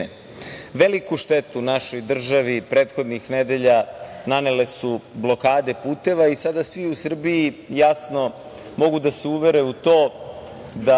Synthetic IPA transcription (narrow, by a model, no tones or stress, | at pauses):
ʋelikuʃt̪et̪unaʃo̞jd̪r̩ʒaʋipɾeːt̪xo̞d̪nixned̪e̞ʎananele̞sublo̞kaːd̪e̞puːt̪e̞ʋaisad̪asʋiusr̩biijasno̞ | mo̞ɡud̪aseuʋe̞ɾeut̪o̞ː | d̪a